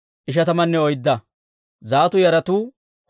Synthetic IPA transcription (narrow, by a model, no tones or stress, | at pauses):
ʔɪʃ̬ɐt̪ɐmɐnːɛɔjd̪ːɐ | zaːt̪ʊjɐɾɐt̪uː